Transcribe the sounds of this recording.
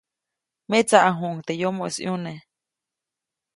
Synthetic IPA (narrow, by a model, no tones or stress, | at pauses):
met͡saʔaɦuʔŋt̪ejomoʔesjune